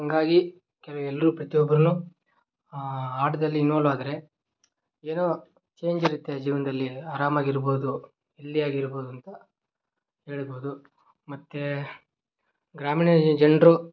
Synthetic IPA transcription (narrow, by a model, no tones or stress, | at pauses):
ɦɐŋɡaːɡi | kɛlɐʋuɛlːɐɾuːpɾɐt̪ijɔbːɐɾɐnu | aːʈɐd̪ɐlːinːoːluaːd̪ɐɾe̞ | eːnoː | t͡ʃe̞ːɲd͡ʒiɾut̪ːed͡ʒiːʋɐnd̪ɐlːiaːɾaːmaːɡiɾboːd̪u | elːijaːɡiɾboːd̪uɐnt̪ɐ | he̞ːɭiboːd̪u | mɐt̪ːe | ɡɾaːmiːɳɐd͡ʒɐɳɖɾu